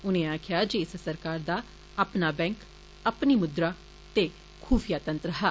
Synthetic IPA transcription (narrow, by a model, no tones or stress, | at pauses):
ʊnẽːaːkʰɪjaːd͡ʒeːssəɾkaːɾd̪aː | apnaːbɛ̃ːŋk | əpniːmʊd̪ɾaː | t̪eː | kʰuːfʰɪjaːt̪ənt̪ɾəɦaː